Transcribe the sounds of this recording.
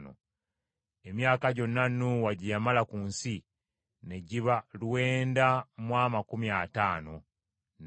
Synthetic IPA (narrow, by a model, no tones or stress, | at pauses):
no̰ | e̞mjaːkaɟo̞nːanuwaɟijamalakuːnsi | ne̞ɟiβalwe̞ːndamwaːmakumiataːno̞ | n